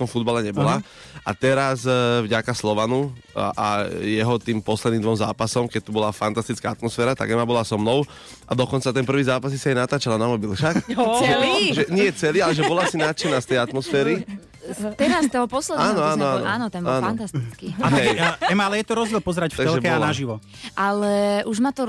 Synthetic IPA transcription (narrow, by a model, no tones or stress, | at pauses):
t̪ɔmfud̪̚balɛɲɛbɔla | a̰t̪ɛɾazvɟakaslɔʋanuʔa̰jɛɦɔt̪iːmpɔslɛd̪niːmd̪ʋɔmzaːpasɔmkɛc̚t̪ubɔlafant̪ast̪it͡skaat̪mɔsfɛːɾat̪a̰ɡɛmabɔlasɔmnɔʊ | ʔad̪ɔkɔnt͡sat̪ɛnpr̩ʋiːzaːpasisiajnat̪aːt͡ʃalanamɔbilʃakʒɛliʒɛɲɪɛt͡sɛliːalɛʒɛbɔlasinaːt͡ʃɛnast̪ɛjat̪mɔsfɛːɾi | t̪ɛɾast̪ɔɦɔpɔslɛd̪aːnɔanɔaːnɔaːnɔt̪ɛnbaːnfant̪ast̪it͡skiaɛɛmaalɛjɛt̪ɔɾɔzɛlpɔzɛɾacft̪aɡ̪ɛlʒɛbɛɔanaʒiʋɔʔalɛʔuʒmat̪ɔ